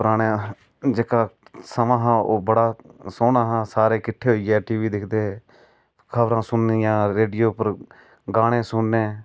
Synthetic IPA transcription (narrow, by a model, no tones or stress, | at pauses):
pɾaːne | d͡ʒeːkaːsəmãːɦãːoːbəɽaːsoːnaːɦãːsaːɾeːkɪʈʰːeːɦoiːɛːʈiːʋiːd̪ɪkʰd̪eː | kʰəbɾãːsʊnːijãːɾeːɖijoːpəɾ | ɡaːɽ̃ẽːsʊnːeː